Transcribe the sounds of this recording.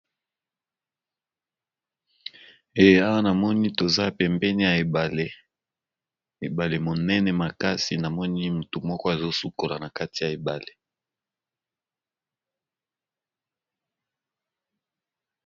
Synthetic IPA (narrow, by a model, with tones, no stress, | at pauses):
e˨je˨a˦wa˦na˨mɔ˦ni˦to˨za˦pɛ˨mbɛ˦ni˦ja˨e˨ba˨le˨ | e˨ba˨le˨mo˨nɛ˦nɛ˨ma˨ka˦si˨na˨mɔ˦ni˦mu˨to˨mɔ˦kɔ˦a˨zo˦su˦ko˨la˨na˨ka˦ti˨ja˨e˨ba˨le˨